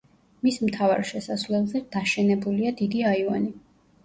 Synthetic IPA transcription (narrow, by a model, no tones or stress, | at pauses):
mismt̪ʰava̰ɾʃɛsasvlɛlˠzɛd̪̥aʃɛnɛbuliad̪id̪iaiva̰ni